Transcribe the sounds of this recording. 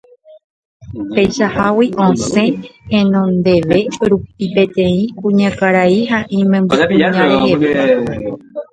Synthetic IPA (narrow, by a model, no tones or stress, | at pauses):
pe̞jʃahawiʔõsẽ̞hẽnõ̞nd̪e̞ʋe̞ɾupipe̞t̪ẽ̞ĩkũɲãkaɾaiɦaʔĩmẽmbɨɲãɾeheʋe